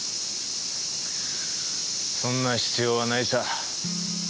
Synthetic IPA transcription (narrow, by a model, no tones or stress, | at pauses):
sõnːaɕi̥t͡sɨjoβanait̪a